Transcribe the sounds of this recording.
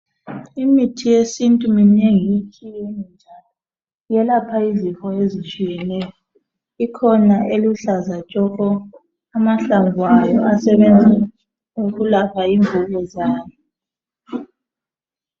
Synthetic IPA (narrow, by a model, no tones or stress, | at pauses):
imitʰijesintʼumineŋijit͡ʃʼijenind͡ʒʱalɔ | jɛlapʰaizixɔezit͡ʃʼijɛnɛjɔ | ikʰɔnaʔeluɬazat͡ʃʼɔɣ̬ɔ | amaɬaŋwajɔasɛβend͡zʱɛ | oɣulapʰaiɱvuɣɛzaːni